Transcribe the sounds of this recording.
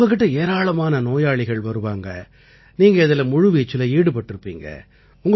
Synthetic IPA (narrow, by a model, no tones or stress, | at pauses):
ɡɐk̬ːɪʈːɐeːɾaːɭɐmaːnɐnoːjaːɭɪɣɐɭʋɐɾɯʋaːŋɡɐ | niːŋɡɐɪðɪlɐmʊɻʊʋiːt͡ʃːɪlɐiːɽɯp̬ɐʈːɪɾɯpːḭːŋɡɐ̰ | ʊŋɡ